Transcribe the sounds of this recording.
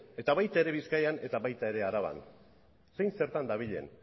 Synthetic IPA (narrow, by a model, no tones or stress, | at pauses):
e̞t̪aβajt̪aeɾe̞βiskajane̞t̪aβajt̪ae̞ɾe̞aɾaβa̰n | sejnse̞ɾt̪and̪aβ̞iʎe̞̰n